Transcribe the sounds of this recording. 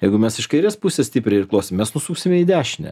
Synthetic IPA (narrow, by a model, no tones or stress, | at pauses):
jɛɪɡʊmʲɛsɪʃkɐɪɾʲeːspʊsʲesʲt̪ʲiːpʲɾʲɪɪrklˠoːsʲɪmmʲɛsnʊsuːksʲɪmʲɛiːd̪ʲæːʃʲnʲɛ̰